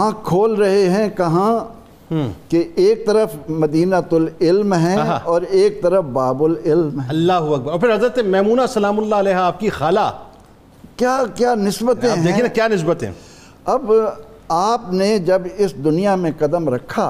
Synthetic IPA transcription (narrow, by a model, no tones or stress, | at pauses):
ɦãkʰoːlɾɐɦeɦɛ̃kɐɦã | keʔeːk̚t̪ɐɾəfmɐd̪iːnat̪ʊlɪlmɦɛ̃ɦɔːɾeːk̚t̪ɐɾəfbaːbʊlɪlmɦɛ̃ɐlːaːɦʊɐk̚bɐɾɔːɾpʰɪɾɦɐzɾət̪emɛːmuːnasɐlaːmʊlːaɐlɛːɦaːp̚kixaːlaː | kjaːkjaːnɪsbət̪ẽɦɛeːkʰienakjaːnɪs̬bət̪ḛ̃ | ɐb | aːpned͡ʒɐbɪsd̪ʊnijamẽqɐd̪əmɾɐkʰːaː